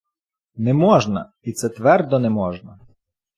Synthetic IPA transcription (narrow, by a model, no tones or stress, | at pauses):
nɛmɔʒnɐ̰ | it̪sɛt̪ʋɛrd̪ɔnɛmɔʒnɐ